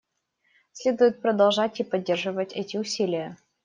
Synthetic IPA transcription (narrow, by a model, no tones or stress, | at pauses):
sʲlʲed̪ʊjʊt̪̚pɾəd̪ɐlˠʐatʲipɐdʲːerʐɨvətʲɛtʲɪʊsʲilʲɪjə